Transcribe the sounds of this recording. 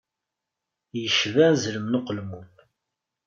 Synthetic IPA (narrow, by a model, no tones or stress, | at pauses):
jəʃvæzləmnʊqəlmum